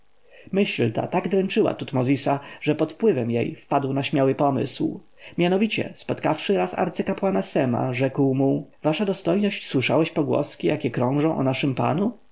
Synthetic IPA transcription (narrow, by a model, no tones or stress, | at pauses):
mɘɕlt̪a̰t̪aɡd̪ɾɛnt͡ʂɘwa̰t̪ut̪mɔzʲisaʐ̥ɛpɔt̪pwɘvɛmjḛjfpad̪wnaɕmʲjawɘpɔmɘ̰sw | mʲjanɔvʲit͡ɕɛ̰spɔt̪kafʂɘɾasa̰ɾt̪sɘkapwanasɛma̰ʐɛkwmuvaʂad̪ɔst̪ɔjnɔɕt͡ɕswɘʂawɛɕpɔɡwɔ̰skʲijakʲɛkɾɔ̃w̃ʐɔ̃w̃ʔɔ̰naʂɘmpa̰nu